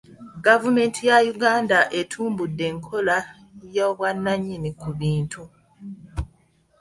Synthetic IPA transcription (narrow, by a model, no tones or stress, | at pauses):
ɡavume̞ːntʰijajuɡaːndaʔe̞tʰuːmbudːe̞ːŋkʰo̞la | joβwanːaɲːinikuβiːntʰu